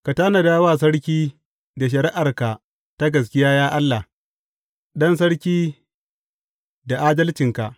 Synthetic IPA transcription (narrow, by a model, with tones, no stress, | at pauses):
ka˨taː˦na˨daː˦waː˦˨s̬ɐ˦ɽkʲiː˦ | da˨ʃ̬ɐ˨ɾɪ˦ʔa˨rka˨ | ta˦ɡɐ˨s̬kʲɪ˦jaː˦jaː˦ʔa˦lːa˨ | ɗɔ˦ns̬ɐ˦ɽkʲiː˦ | da˨ʔaː˦dɐ˦lt͡ʃɪ˨ŋka˨ʔ